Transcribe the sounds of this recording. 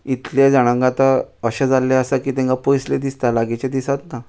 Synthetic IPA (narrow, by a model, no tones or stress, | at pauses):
it̪led͡zəɽ̃ãŋɡat̪əəɕẽd͡zalːɛəsəkiːt̪ɛ̃ŋkapojsled̪ist̪alaɡet͡ɕed̪isat̪na